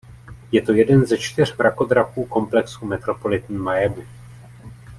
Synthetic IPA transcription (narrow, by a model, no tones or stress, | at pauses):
jɛt̪o̞jɛdɛnzɛt͡ʃt̪ɪr̝bɾako̞d̪ɾakuːko̞mplɛksumɛt̪ɾo̞po̞lɪt̪n̩ːmajɛbɪ